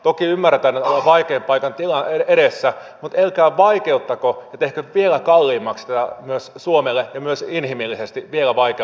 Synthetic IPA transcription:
t̪okiymːærːet̪ænːet̪olːɑʋɑikeːmpɑikɑnt̪ilɑeeɾesːæ | mut̪elkæːʋɑikeut̪ːɑkojɑt̪ehkøʋielækɑlːiːmːɑkst̪æt̪æmyøssuomelːejɑmyøsinhimilːisest̪iʋielæʋɑike

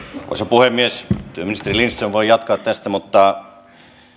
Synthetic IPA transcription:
ko̰sepuhemmiest̪yøminist̪erilinst̪ːseʋʋoijɑt̪kɑːt̪t̪æst̪æmut̪ːɑ

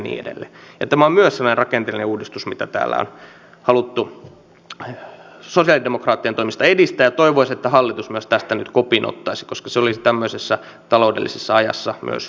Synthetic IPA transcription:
nḭːḛdḛlːḛjɑt̪æmæommyøssɑnonerɑkent̪elineuːdist̪usmit̪æt̪æ̰ːlːæ̰o̰n | hɑlut̪ːu | sosiɑlidemokrɑːt̪ːient̪oimist̪ɑedist̪æːjɑt̪oiʋoiset̪ːæhɑlːit̪usmyøst̪æst̪ænyt̪kopinʔo̰t̪ːɑisi̥koskɑseolisit̪æmːøisesːæ | t̪ɑloudelːisesːɑɑjɑ̰sːɑmy̰ø̰s

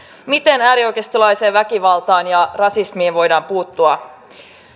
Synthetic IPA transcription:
mit̪e̞næːɾio̞jkest̪olɑjse̞ːʋʋækiʋɑlt̪ɑːnjɑrɑsismiːʋʋo̞jdɑːmpuːt̪ːuɑ

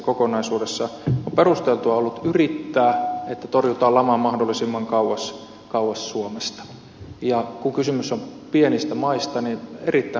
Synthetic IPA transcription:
kokonɑisuːdesːɑomperust̪elt̪uɑolːut̪yrit̪ːæːet̪ːæt̪orjut̪ɑːlɑmɑmɑhdolːˑisimːɑŋkɑuwɑs | kɑuwɑssuomest̪ɑ̥ | jɑkuŋkysymysːompienist̪æmɑist̪ɑninerit̪ːæ

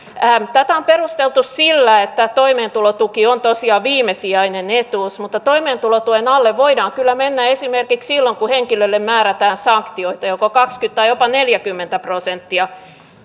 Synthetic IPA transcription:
æmt̪æt̪æomperust̪elt̪ussilːæet̪ːæt̪oimeːnt̪ulot̪ukiont̪osiɑʋiːmesiɑinenet̪uːsmut̪ːɑt̪oimeːnt̪ulot̪uenɑlːeʋʋoidɑːŋkylːæmenːæesimerkikssilːoŋkuheŋkilølːemmæːɾæt̪æːnsɑŋkt̪ioit̪ɑjokokɑkskyt̪t̪ɑijopɑneljækymːent̪æprosent̪ːiɑ

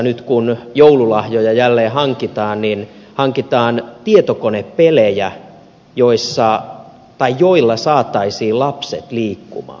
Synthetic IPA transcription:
nyt̪kunjoululɑhjojɑjælːeːhɑŋkit̪ɑːnnin | hɑŋkit̪ɑːnt̪iet̪okoneppelejæ | joisːɑ | t̪ɑijjoilːɑsɑːt̪ɑisiːlɑpset̪liːkːṵmɑ̰ː

